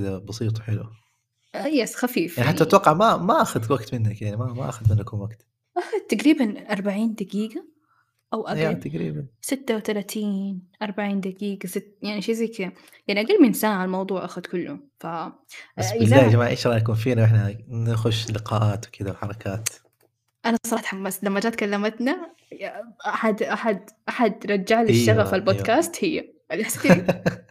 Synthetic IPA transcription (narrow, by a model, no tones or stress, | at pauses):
kɪd̪abɑsˤiːt̪ˤwħɪlṵ | jasxafiːfjaʕniaħaːaɪt̪wɑqːɑʕmamaʔaxad̪waɡt̪mɪnːakjaʕnimamaʔa̰xad̪mɪnːaknwaɡt̪ | ʔaxad̪̚t̪aɡɾiːbanʔɑɾˤbaʕiːnd̪aɡiːɡa | ʔawʔajat̪aɡɾḭːbansɪt̪ːawθalat̪iːnʔɑɾˤbaʕiːnd̪aɡiːɡasɪt̪ːjaʕniʃiːziːk | jaʕniʔaɡaːlːmiʔɪnsaːnʕalmɑwd̪ˤuːʕʔaxʊd̪kʊlːʊfa | ʔasɪlːaːd͡ʒamaːʕʔeːʃɾˤɑːnak̬uːnfiːnawʔɪħnanaxʊʃːlɪqɑːʔaːt̪wɪkɪd̪awħɑɾˤɑkʰaːt̪ | ʔanasˤɑˤɑħt̪ħamːaslamːad͡ʒaːt̪̚kalːamat̪na | ʔaħad̪ʔaħad̪ʔaħad̪ɾˤɑd͡ʒːaʕlɪʃːaɣafalbod̪kaːst̪hɪjːa̰ | ʔalsd̪